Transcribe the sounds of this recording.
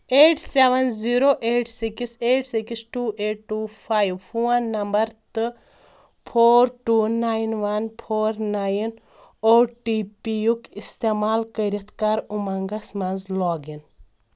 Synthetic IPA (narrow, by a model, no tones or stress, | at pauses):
eːʈseʋɐnziːɾoːʔeːʈsikiseːʈsikisʈuːʔeːʈ̚ʈːuːpʰaːjʋpuɐnːɐmbɐɾt̪ɨ | pʰoːɾʈuːnaːjinʋɐnpʰoːɾnaːjn | oːɾʈiːpijukist̪eːmaːlkəɾɐt̪ʰkaɾumɐŋɡɐsmɐnzlɔːɡin